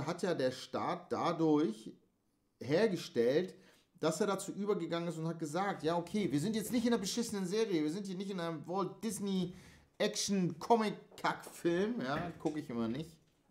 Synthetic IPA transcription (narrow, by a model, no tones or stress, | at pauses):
ɦatjaːdeːɐʃta̰ːt̚d̥adʊɐç | heːɐɡəʃtɛlt | d̥aseːɐɾat͡suːʔyːbɐɡəɡaŋənɪstʊnthat̚ɡ̥əzaːk̚tjaːokʰeːviːɐzɪntjɛt͡stnɪçtɪndɛɐbəʃɪsənənzeːʁijəviːɐzɪnthiːɐnɪçtɪnaɪnəmvɔɐltd̥ɪsni | ʔɛkʃn̩kʰɔmɪkʰːakfɪlmjaːkʰʊkɪçʔɪmɐnɪçt